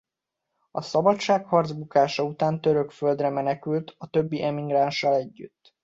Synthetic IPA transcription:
ɒsɒbɒʃaːkhɒrd̪zbukaːʃɒut̪aːnt̪ø̞ɾø̞kfø̞ld̪rɛmɛnɛkylt̪ɒt̪ø̞bːiʔɛmiɡranʃːɒlɛɟːy̰t̪ː

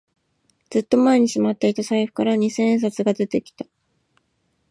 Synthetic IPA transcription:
d͡z̥ɨt̪ːo̞mae̞ɲ̟iɕimat̪ːe̞it̪asaiɸɯ̥kaɾaɲ̟isẽ̞s̬at͡sɨɡad̪e̞t̪e̞kʲi̥t̪ḁ

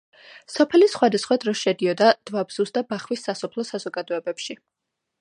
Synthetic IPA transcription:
sɔpʰɛlisχwad̪asχwad̪ɾɔʃɛd̪iɔd̪ad̪̥vabz̥usd̪abaχwisːasɔpʰlˠɔsazɔɡad̪ɔɛbɛpʃi

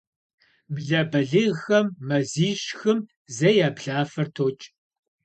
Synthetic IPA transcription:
bɮɐbɐɮɨɣxɐmːɐziːɕxɨm | zɐjaːbɮaːfɐrtʰoːt͡ʃʼ

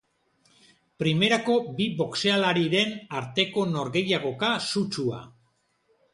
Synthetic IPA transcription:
pɾime̞ɾako̞biβo̞kse̞alaɾiɾe̞naɾt̪e̞ko̞no̞ɾɣe̞jaɣ̞o̞kasut͡ʃua̰

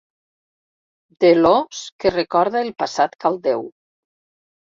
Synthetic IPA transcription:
d̪eloskerekɔɾðaelˠpasat̪kalˠd̪ew

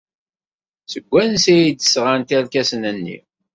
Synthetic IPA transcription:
səɡʷːænsæjid̪əsʁant̪æɾkæsnənːḭ

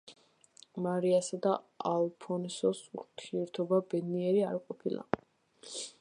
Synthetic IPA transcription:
maɾiasad̪aalˠpʰɔnsɔsuɾt̪ʰiɛɾt̪ʰɔbabɛd̪niɛɾiaɾqʼɔpʰilˠa̰

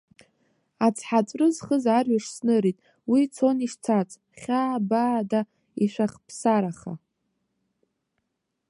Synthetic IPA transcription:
at͡sʰħat͡sʷʼrɨzχəzarɥaʂsnɨɾitʼ | wit͡sʰoniʂt͡sʰat͡sʼ | χʲaːbaːda | iʃʷaχpʰsaɾaχa̰

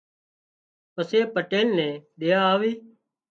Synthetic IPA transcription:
pəseːpəʈeːnnɛ̃ːɗɪjaːaːʋiː

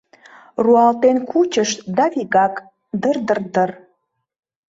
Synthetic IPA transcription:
ruɑlt̪enkʰut͡ɕəʃd̪ɑviɣɑk | d̪ərd̪ərd̪ər

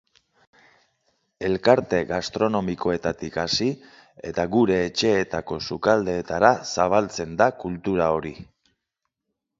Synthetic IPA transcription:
e̞lkaɾt̪e̞ɣast̪ɾo̞no̞miko̞e̞t̪at̪ikasi | e̞̰t̪aɣuɾe̞ːt͡ʃe̞ːt̪ako̞sukald̪e̞ːt̪aɾasaβ̞alt͡se̞nd̪akult̪uɾao̞ɾi

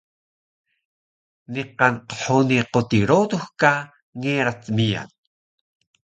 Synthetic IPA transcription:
niqɑnqə̥ħoniqot̪iɾod̪uxka | ŋeɾat͡smija̰n

